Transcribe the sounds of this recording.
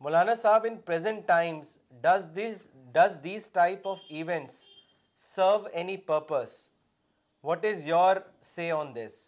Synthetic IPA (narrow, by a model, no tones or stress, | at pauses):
mʊlaːnasaːbɪ̃npɾɛzə̃ɳʈːãɪ̃mz | ɖzi | ɖʌzd̪iːzʈaɪpɔʋiʋɛ̃ɳʈsː | əːɾʋɛnipəːɾpəs | ʋɔʈɪzjɔːɾ | seːɔ̃ːnd̪ɪs